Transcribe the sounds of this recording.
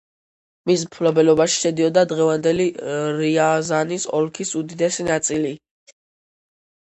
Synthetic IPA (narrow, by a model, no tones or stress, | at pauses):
mis̬mpʰlɔbɛlɔbaʃi̥ʃɛd̪iɔd̪ad̪ʁɛvand̪ɛliɾiazanisɔ̰lkʰisud̪id̪ɛsinat̪sʼili